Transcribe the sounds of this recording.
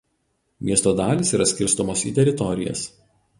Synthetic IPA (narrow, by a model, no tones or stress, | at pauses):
mʲiɛst̪oːd̪ɑːlʲisiːɾɐsʲkʲɪɾst̪ɔmoːsḭːt̪ʲɛɾʲɪt̪ɔɾʲɪjɛ̰s